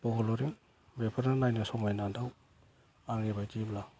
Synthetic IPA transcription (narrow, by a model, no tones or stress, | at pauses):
pɔɡɔlɔɾiŋ | bepʰaɾnanajnasɔmajnandaw | aŋɾibajtimla